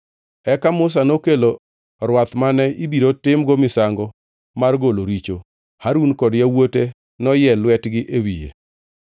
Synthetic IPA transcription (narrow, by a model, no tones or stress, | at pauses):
ɛkamʊs̬anokelo | ɾwat̪manɛibiɾotɪmɡomɪsaŋɡɔ | marɡoloɾit͡ʃo | haɾunkɔdjawote | nɔjɛlwɛtɡɪʔewijḛ